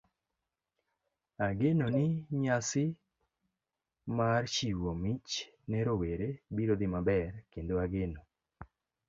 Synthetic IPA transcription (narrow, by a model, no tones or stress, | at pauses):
aɡenonɪɲasɪ | mart͡ʃiwomit͡ʃ | nɛɾoweɾebiɾod̪ɪmabɛrkend̪oaɡeno